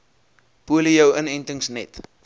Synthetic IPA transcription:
puəliəwənɛntəŋsnɛt

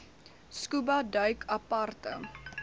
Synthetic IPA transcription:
skubɐdœɥkʰɐpɐrtə̰

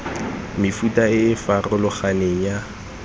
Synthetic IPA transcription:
mɪfutʼaɪːfarʊlʊχaneŋ̩ja

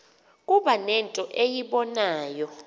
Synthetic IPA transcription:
kʼuɓanɛntʼɔʔejiɓɔnaːjɔ

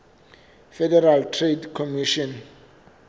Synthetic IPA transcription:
fɛdɛɾaltʰredkʰɔmiʃɔ̃n

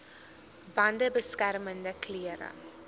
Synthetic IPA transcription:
bɐndəbəskæɾməndəkʰliəɾə̰

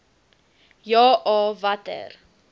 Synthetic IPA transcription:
jɔːʔɔːvatə̰r

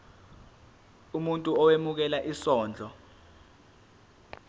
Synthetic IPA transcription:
umuntʼuɔwemuk̬ɛlaʔisɔːnd͡ɮʱɔ

